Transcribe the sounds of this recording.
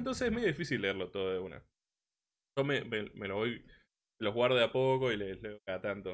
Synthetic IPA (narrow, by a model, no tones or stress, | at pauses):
nt̪o̞nseseɦmejoðifisilːe̞eɾlo̞t̪oðoðeuna̰ | ʒomememeloβoj | eloɦɣwaɾðeapoko̞ileleoat̪ant̪o